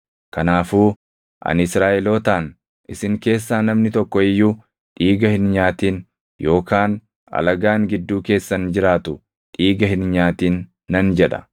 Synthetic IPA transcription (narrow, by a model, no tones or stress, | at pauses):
kɐnaːfuː | ʔɐ̰nɪsɾaːʔɛloːt̪aːn | ɪsɪŋke̞ːsːaːnɐmnɪt̪ɔkːɔɪjːuː | ᶑiːɡɐhɪnɲaːt̪iːn | jo̞ːkaːn | ɐ̰lɐɡaːŋɡɪd̪ːuːke̞ːsːɐnd͡ʒɪɾaːt̪ʊ | ᶑiːɡɐhɪnɲaːt̪iːnː | ɐnd͡ʒɛᶑɐ̥̰